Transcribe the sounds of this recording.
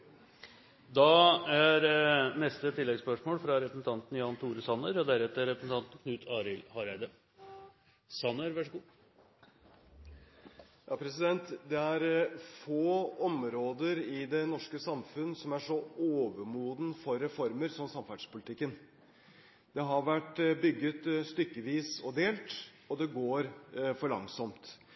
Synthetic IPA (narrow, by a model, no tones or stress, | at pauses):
d̪ɑæɾnɛst̪ət̪ʰɪlːɛɡspœʂmoːlfɾɑɾɛpɾəsn̩t̪ʰɑnt̪n̩jɑːnt̪ʰuːɾəsɑnːəɾɔd̪æɾɛt̪ːəɾɛpɾəsn̩t̪ɑnt̪n̩kʰnʉːt̪ʰɑːɾɪlhɑɾæɪd̪ə | sɑnːəɾʋæʂəɡuː | jɑːpʰɾɛsɪd̪ɛnt̪d̪ɛæɾfoːɔmɾoːd̪əɾɪd̪ɛnɔʂkəsɑmfʉnːsɔmæʂɔoːʋəmuːd̪n̩fɔɾːɛfɔɾməɾsɔmsɑmfæʈʂpʊlɪt̪ʰɪkːən | d̪̥ɛɦɑɾʋæʈːbʏɡːət̪st̪ʏkːəʋiːsɔd̪eːlt̪ | ɔd̪ɛɡoːɾfɔɭɑ̰ŋsɔmt̪